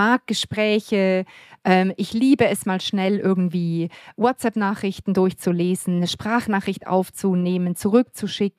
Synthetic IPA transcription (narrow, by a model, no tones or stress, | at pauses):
aɐk̚ɡ̥əʃpʁ̥ɛːçəʔɛːmʔɪçliːbəɛsmaːlʃnɛlʔɪɐɡŋ̩tv̥iːwɔtt͡sɛpnaːχʁɪçtn̩dʊɐçt͡suleːzn̩ːəʃpʁ̥aːχnaːχʁɪçtʔa̰ʊft͡suneːmənt͡suʁʏk̚t͡suʃɪk̩̚